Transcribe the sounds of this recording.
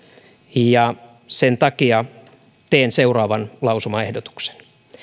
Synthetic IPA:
jɑ | sent̪ɑkiɑ | t̪eːnseurɑːʋɑnlɑusumɑehdot̪u̥kse̥n

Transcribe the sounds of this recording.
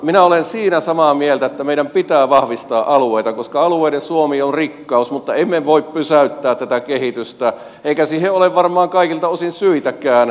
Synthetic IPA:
minæolensiːnæsɑmɑmielt̪æet̪ːæmeiɾæmpit̪æːʋɑhʋist̪ɑːʔʔɑlueit̪ɑkoskɑɑlueiɾensuomiːonrikːɑusmut̪ːɑemːeʋoippysæyt̪ːæːt̪t̪æt̪ækehit̪yst̪æ | ʔeikæsiːheʔoleʋʋɑrmˑɑːŋkɑikilt̪ɑosinsyit̪ækæːn

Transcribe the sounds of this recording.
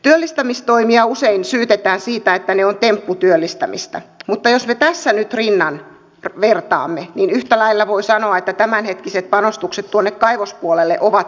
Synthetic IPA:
t̪yølːist̪æmist̪oimiɑuseinsyːt̪et̪æːnsiːt̪æet̪ːæneont̪empːut̪yølːist̪æmḭst̪ɑmut̪ːɑjosmet̪æsːænyt̪rinːɑn | rʋert̪ɑ̰ːmːeninyht̪ælæilːæʋoisɑnoɑet̪ːæt̪æmænhet̪kiset̪̚pɑnost̪ukset̪t̪ːuonːekkɑiʋospuolelːeʔoʋɑt̪

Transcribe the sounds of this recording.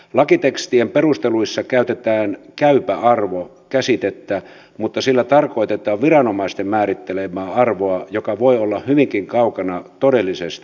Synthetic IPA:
lɑkit̪ekst̪iemperust̪eluisːɑkæyt̪et̪æːnkæypæɑrʋo | kæsit̪et̪ːæ | mut̪ːɑsilːæt̪ɑrkoit̪et̪ˑɑːʋʋirɑnomɑist̪emmæːɾit̪ːelemˑæːɑrʋoɑjokɑʋoiolːɑhyʋiŋkiŋkɑukɑnɑt̪odelːisest̪i

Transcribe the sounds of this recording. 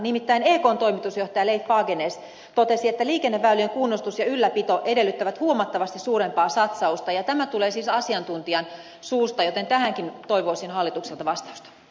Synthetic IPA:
nimit̪ːæineːkoːnt̪o̞imit̪usjoht̪ɑjɑleifːɑːɡeneːs | t̪ot̪esiet̪ːæliːkenːeʋːælːyeŋkunːost̪usjɑylːæpit̪oʔede̞lːyt̪ːæʋæt̪huomɑt̪ːɑʋɑst̪issuːɾempɑːsɑt̪sɑust̪ɑjɑt̪æmæt̪uleːsiːsɑsiɑnt̪unt̪iɑn | suːst̪ɑjot̪ent̪æhæŋkint̪oiʋoˑisinhɑlːit̪ukselt̪ɑʋɑst̪ɑu̥st̪ɑ̥

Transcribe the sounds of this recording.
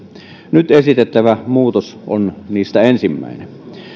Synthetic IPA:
nyt̪esit̪et̪ːæʋæmuːt̪oso̰nniːst̪æensimːæ̰ˑinḛ

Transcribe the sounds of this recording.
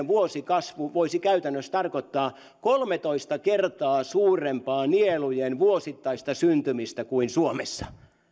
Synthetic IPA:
ʋuosikɑsʋuʋoisikæyt̪ænːøst̪ɑrkot̪ːɑː | kolmet̪oist̪ɑkert̪ɑːsuːrempɑːnielujenʋuosit̪ːɑist̪ɑsynt̪ymist̪ækuinsuomesːɑ̥

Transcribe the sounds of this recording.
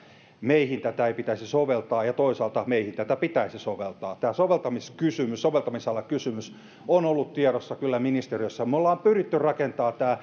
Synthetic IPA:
meihint̪æt̪æeipit̪æisisoʋelt̪ɑːjɑt̪oisɑːlt̪ɑmeihint̪æt̪æpit̪æisisoʋelt̪ɑːt̪æːsoʋelt̪ɑmiskysymyssoʋelt̪ɑmisɑlːɑkysymys | onolːut̪t̪ieɾosːɑkylːæminist̪eriøsːæmolːɑːmpyrit̪ːyrrɑkent̪ɑːt̪æː

